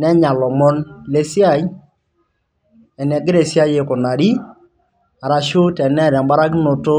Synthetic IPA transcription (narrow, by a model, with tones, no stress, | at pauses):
nɛ˦ɲa˨lɔ˨mɔ˦nle˦si˦a˦˨j | ɛ˨nɛ˨ɡɪ˦ɾe˨si˦a˦je˨kʊ˨na˨ɾi˦ | a˨ɾa˨ʃo˦tɛ˨nɛ˦˨ɾa˨mba˦ɾa˦kno˨to˦